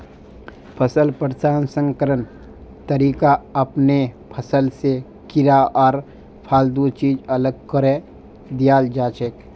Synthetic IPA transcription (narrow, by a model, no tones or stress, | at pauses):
pʰəsəlpəɾsaːnsə̃ŋkəɾən | t̪əɾiːkaɐpne | pʰəsəlse | kɪɾaʔɔːɾ | pʰaːld̪ut͡ʃiːd͡ʒələɡkəɾe | d̪ijaːld͡ʒaːt͡ʃek